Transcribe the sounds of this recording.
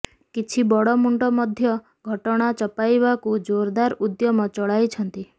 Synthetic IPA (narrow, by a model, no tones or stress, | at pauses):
kit͡ʃʰibɔɽɔmuɳʈɔmɔd̪ʱjɔ | ɡʱɔʈɔɽ̃at͡ʃɔpajβakud͡ʒoɾd̪aɾud̪jɔmɔt͡ʃɔɭajt͡ʃʰɔnt̪i